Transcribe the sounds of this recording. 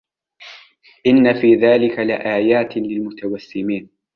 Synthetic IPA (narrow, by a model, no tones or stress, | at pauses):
ʔɪnːafiːðaːlɪkalɪʔaːjaːt̪lɪlmʊt̪awasːɪmiːn